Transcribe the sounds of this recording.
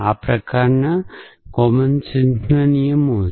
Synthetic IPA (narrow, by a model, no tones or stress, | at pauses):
aːpɾɐkaːɾɐnɐkomɐnt͡ʃind̪nɐnijɐmoː